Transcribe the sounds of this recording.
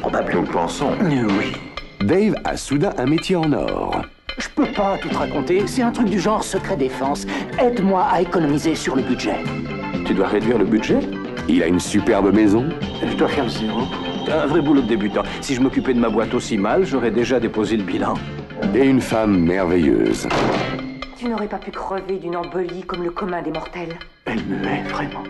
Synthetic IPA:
pʁɔbablɔ̃d̪pɑ̃sɔ̰̃wid̪ɛva̰sud̪ɛ̃ʔɛ̃met̪jeɑ̃nɔ̰ʁ | ʒə̥pøpat̪ut̪əʁakɔ̃t̪esɛt̪ɛ̃t̪χyk̚d̪yʒɑ̃ʁsəkχɛd̪efɑ̃sɛd̪mwaaekɔnɔmizesyʁləbyd̪ʒɛ | t̪yd̪waʁed̪ɥiʁləbyt̪ʒɛ | ila̰ynsypɛʁbəmɛzɔ̃ʒəd̪wafɛʁd̪əzemɔ̃ | ɛ̃vʁɛbulod̪əd̪ebyt̪ɑ̃siʒəmɔkʲypɛd̪əmabwat̪osimalʒɔʁɛd̪eʒad̪epozeləbilɑ̰̃eynfamːɛʁvejø̰z | t̪ynɔʁɛpapykχəved̪ynɑ̃bɔlikɔmləkɔmɛ̃d̪emɔʁt̪ɛl | ɛmɛvʁɛmɑ̃

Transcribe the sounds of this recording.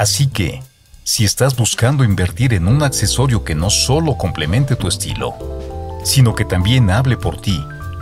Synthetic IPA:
asike̞̰ | sie̞st̪azbuskand̪o̞imbe̞ɾt̪iɾe̞nunakse̞so̞ɾjo̞ke̞no̞so̞lo̞ko̞mple̞mẽ̞nt̪e̞t̪ue̞st̪ḭlo̞̰ | sino̞ke̞t̪ambje̞naβle̞po̞ɾt̪i

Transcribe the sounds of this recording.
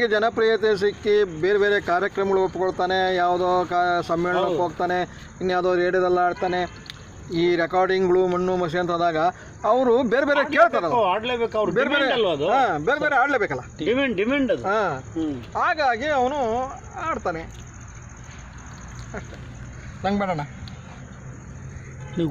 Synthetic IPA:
ɡed͡ʒɐnɐpɾijɐt̪̬es̬ikːibeːɾebeːɾekaːɾjɐkɾɐmɐɡɐɭuopːukoɽt̪aːnejaːʋd̪oːkasɐmːɛːɭɐnɐopːɦoːɡt̪aːne | inːjaːʋd̪oːɾeːɖijɐd̪ɐlːɐaːɖt̪aːne | iːɾekaːɾɖiŋɡɐɭumɐnːumɐs̬iɐnt̪ʰɐd̪aːɡɐː | ʋɐɾubeːɾebeːɾekeːɭt̪aːɾɐlːaːɽleːbeːkɐʋɾbeːɾebeɾeɐlɐd̪uaːbeːɾebeɾeaːɖleːbeːkɐlːaɖimeɳɖɖimeɳɖɐd̪uaːɦaːɡaːɡiɐʋɐnu | aːɖt̪aːne | ɐʂʈe | nɐŋɡbɛːɽɐɳa | niː

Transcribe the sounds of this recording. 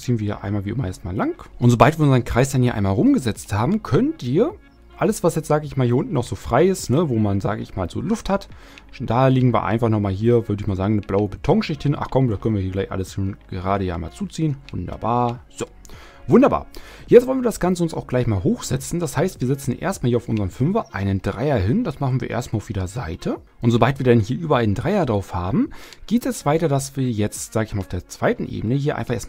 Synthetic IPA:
t͡siːənviːɐhiːɐʔa̰ɪnmaːlviːʔɪmɐjɛstma̰ːlaŋkʔʊntz̥oːbaltviɐʊnzɐənkʁ̥aɪsd̥anhiɐʔaɪnmaːlʁʊmɡəzɛt͡sthaːbm̩kʰœntʔiːɐ | ʔaləsv̥asjɛt͡stz̥aːɡəɪçmaːlhiːɐʊntn̩ːɔxz̥oːfʁ̥aɪɪstnəvoːmanza̰ːɡəʔɪ̰çmaːlzo̰ːlʊfthat | d̥aːliːɡŋ̩viːɐʔa̰ɪnfaχnɔχmaːlɦiːɐvʏɐdəɪçmaːlzaːɡŋ̩nəblaʊəbetʰɔŋʃɪçthɪnʔa̰χkʰɔmdaskʰœnviːɐhiːɡlaɪçʔa̰ləsʃoːnɡ̥əʁaːɾəjaːɪma̰ːlt͡suːt͡siːənvʊndɐ̰baːɐz̥oː | vʊndɐba̰ːɐ | jɛt͡sstv̥ɔlənviːɐdasɡ̥ant͡səʊnsa̰ʊxɡ̥laɪçmaːlɦoːxz̥ɛt͡sn̩d̥ashaɪstv̥iːɐzɛt͡sn̩ʔḛːɐstmaːlhiːɐaʊfʔʊnzəʁəmfʏmvɐʔaɪnəndʁaɪɐɦɪnd̥asmaχn̩viːɐʔḛɐstmaːlʊfjeːdɐzaɪtʰə | ʔʊntz̥obaltv̥iːɐdɛnɦiːɐʔyːbɐʔaɪnəndʁaɪɐdʁaʊfhaːbm̩ɡ̥eːtɛstv̥aɪtɐdasv̥iːɐjɛt͡stz̥aːɡəɪçmalaʊfd̥eːɐt͡sv̥aɪtn̩ʔḛːbənəhiːɐʔa̰ɪnfaχʔḛːɐstma

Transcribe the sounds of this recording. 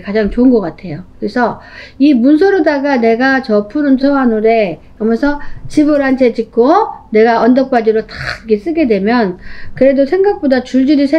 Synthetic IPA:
kad͡ʑaŋt͡ɕoɯnɡʌk͈atʰe̞jokkɯɾesʰʌ | imuns̬ʰoɾodaɡane̞ɡat͡ɕʌpʰunɯnsʰowanuɾe̞ | ʌmʌsʰʌt͡ɕibɯɾɦant͡ɕʰe̞d͡ʑik͈ʰone̞ɡaʌndʌk̚p͈ad͡ʑiɾotḁɡes͈ɯɡe̞dwe̞mjʌnkɯɾe̞dosʰe̞ŋɡak̚p͈odat͡ɕuɭd͡ʑiɾisʰe

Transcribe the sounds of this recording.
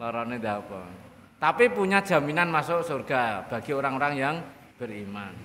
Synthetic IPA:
lɔɾɔned̪apɔ̰ | t̪apipuɲad̥ʒ̥a̤minanmasʊʔsorɡ̥ab̥a̤ɡ̥i̤oɾaŋoɾaŋjaŋ | b̥ərimaŋ

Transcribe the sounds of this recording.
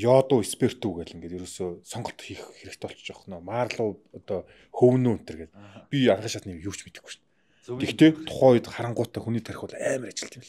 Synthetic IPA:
jɔːt̪ʊːespʰer̥t̪uɣæːɮĭŋɡeːt̪jɵɾoːsoːsɔɴɢɞ̆ɬt̪xexxeɾɘ̆kt̪ɔɬt͡ɕt͡ɕɔχnɔːmaːrɮʊːɔt̪ɔː | xɵwnoːɵn̥t̪ɘrɣeːt̪pʲiaɴɢə̆ʃat̪niːkjuːwt͡ɕmet̪ɘ̆xu̥t͡ɕ̆n | t̪ʰext̪ʰeːt̪ʰʊ̥χɔːjt̪χaɾə̆ɴɢʊːt̪ːæːxuniːt̪ʰæɾ̆ʲxʊːɮæːmɪ̆rat͡ɕɪ̆ɬt̪ʰimɮ

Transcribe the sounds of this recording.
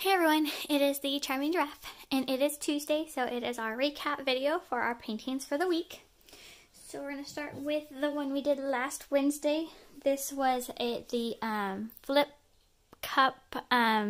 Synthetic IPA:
ɛvɹiwʌ̃nɪɾɪzðɨt͡ʃʰãɪ̃mɪ̃ŋdɹæftɨ̃nʔɪɾɪz̥tʰʉzdeɪsoʊʔɪɾɪzaʊə˞ɹikʰæpvɪɾioʊfə˞a̰ʊə˞pʰẽɪ̃ntʰɪ̃nz̥fə˞ðəwik | soʊwɪɹɡʌ̃nɨstɑɹʔ̚wɪðəwʌ̃nwidɨdˡlæst̚wɛ̃nzdeɪðɪswʌzɪtðɨʔʌ̃mflɪp̚ | kʰʌp̚ʌ̃m

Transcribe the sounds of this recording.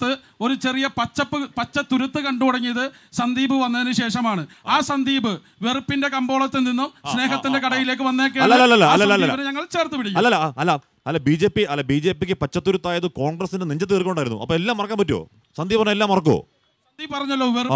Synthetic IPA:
t̪ːɨ | o̞ɾut͡ɕe̞rijɐpɐt͡ɕːɐpːɨpɐt͡ɕːɐt̪uɾut̪ːɨkɐɳɖukoɽɐŋːijɐðɨsɐnd̪iːbɨʋɐnːɐðinɨɕe̞ːʂɐmaːɳɨ | aːsɐnd̪iːbɨ | ʋerpːinde̞kɐmbo̞ːɭɐt̪ːeninːossne̞ːɦɐt̪ːinde̞kɐɽɐjile̞ːk̬ːɨʋɐnːeːkːeɐlːɐːɐlːɐlːɐɐlːɐlːɐlɐibɐneɲɐŋːɐɭt͡ɕe̞ːrt̪ːɨpiɽikːɐlːɐlːaɐlːa | ɐlːɐbiːd͡ʑeːpːiɐlːɐbiːd͡ʑe̞ːpːikʲːɨpɐt͡ɕːɐt̪ːuɾut̪ːaːjɐðɨko̞ːɳɡrɐsːindeniɲd͡ʑɐt̪ːɨirkːɳɖaːjɾunːṵʔɐ̰pːoːelːaːmːɐrɐkːaːmpɐtːuo̰ː | sɐnd̪iːbɐnːɐelːaːmːɐrɐk̬ːo̰ː | sɐnd̪iːbpɐrɐɲːɐlːo̞ːʋer

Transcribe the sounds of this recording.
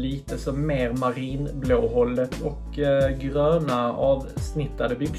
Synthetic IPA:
liːt̪əsɔmːeːɾmaɾiːnbloːɦɔld̪ətɔk | ɡɾøːnaɑːvsnɪt̪ːad̪əbʏɡ

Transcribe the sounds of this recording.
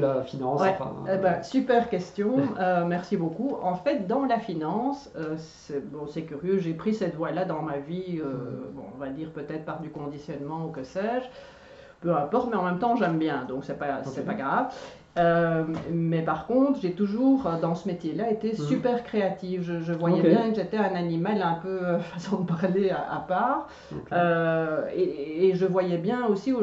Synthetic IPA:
lafinɑ̃wɛfɛ̰̃bɛ̃sypɛʁkʲɛst̪jɔ̃ømɛʁsibokuɑ̃fɛt̪̚d̪ɑ̃lafinɑ̃ːsøs | ɛbɔ̃sɛkʲyʁjøʒepχisɛt̪vwalad̪ɑ̃maviøbɔ̰̃ɔ̰̃vad̪iːʁpøt̪ɛːt̪χpaʁd̪ykɔ̃d̪isjɔnmɑ̃ukəsɛːʒ | pøɛ̃pɔʁt̪mɛɑ̃mɛmt̪ɑ̃ʒɛmbjɛ̃d̪ɔ̃ksɛpasɛpaɡʁav | ø | mɛpaʁkɔ̃t̪χʒet̪uʒuːʁød̪ɑ̃səmet̪jelaet̪esypɛːʁkχeat̪ifʒəʒəvwajɛjɛ̃kəʒet̪ɛɛ̃nanimalɛ̃pøøfasɔ̃d̪əpaʁleaʔa̰paːʁ | ø | eːʒəvwajɛbjɛ̃osio

